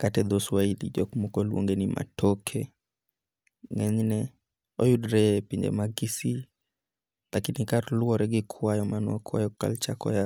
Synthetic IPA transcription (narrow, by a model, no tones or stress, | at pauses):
katɛðɔswailḭd͡ʒɔkumɔkɔluɔ̰ŋɡɛnimʔa̰tʰɔkʰɛ | ŋɛɲinɛ | ɔjudɾɛpiɲd͡ʒɛ̰maɡisi | lakinikaɾluɔɾɛɡɛkʰuajɔmanɔkʰwa̰jɔka̰lt͡ʃakɔ̰ja